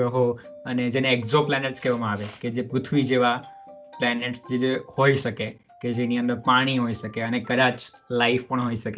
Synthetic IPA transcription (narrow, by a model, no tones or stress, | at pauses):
ɦo | əned͡ʒeneːkzoplɛneʈskeʋamãaːʋeked͡ʒepɾʊt̪ʰʋid͡ʒeʋaplɛneʈsd͡ʒed͡ʒehoisəke | ked͡ʒeniə̃nd̪əɾpaɽ̃iɦoisəkeənekəd̪ãt͡ʃ | laifpəɳ̃ɦoisəke